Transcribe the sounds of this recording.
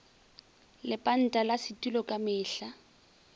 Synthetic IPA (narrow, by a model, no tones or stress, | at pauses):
lɪpʼan̩tʼalasɪtʼulɔkʼamɪːɬa